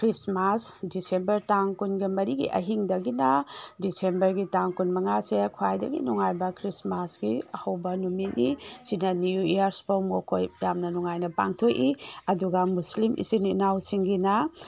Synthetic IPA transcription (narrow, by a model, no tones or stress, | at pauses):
kʰɾismasdisembɐɾtaŋkunɡimɐɾiɡḭʔɐ̰ɦiŋdɐɡinɐdisembɐɾɡitaŋkunmɐŋasekʰwajdɐ̰ɡḭnuŋajbɐkʰɾismasɡiɐhɐwbɐnumit̚nisinɐnuijaɾspowmokʰojɾamnɐnuŋajnɐpa̰ŋtʰokiɐduɡɐmuslimʔḭsininawsiŋɡinɐ